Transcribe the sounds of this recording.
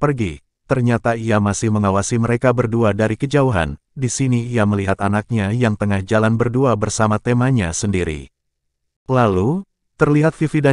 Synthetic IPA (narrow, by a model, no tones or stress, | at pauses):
pərɡi | t̪ərɲat̪aiamasɪhməŋawasiməɾekabərduadaɾikəd͡ʒauɦa̰n | disiniːaməliɦat̪anak̚ɲajaŋt̪əŋahd͡ʒalanbərduabərsamat̪emaɲa̰səndiɾḭ | lalu | t̪ərliɦat̪̚fifida